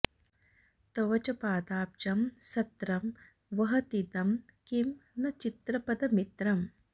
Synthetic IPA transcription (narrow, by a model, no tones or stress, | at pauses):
t̪ɐʋɐt͡ʃɐpaːd̪aːp̚t͡ʃɐmsɐt̪ɾɐm | ʋɐɦɐt̪it̪ɐm | kimnɐt͡ʃit̪ɾɐpɐd̪ɐmit̪ɾɐm